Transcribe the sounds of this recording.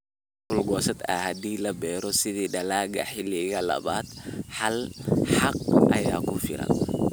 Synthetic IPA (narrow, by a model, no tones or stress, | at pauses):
hʊlɡɔːsɐd̪ɐ̰hɐd̪iːlɐbɛːɾɔsɪðiːɖɐlaːɡɐħɪlɪɣɐlɐ̰βaːd̪ħɑlħɑq̚ʔɐjaːkʰʊfɪ̰ɾɐ̰n